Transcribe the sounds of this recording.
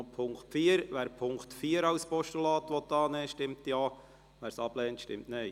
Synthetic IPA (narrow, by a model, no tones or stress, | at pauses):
pʰʊŋktfiːəɾʋæːɾpʰʊŋktfiːəɾɑʊspɔʃtulɑːt̪ʋɔt̪ːɑːnɛːʃtɪmtjɑː | ʋæːɾsɑb̥lɛːntʃtɪ̰mtnɛɪ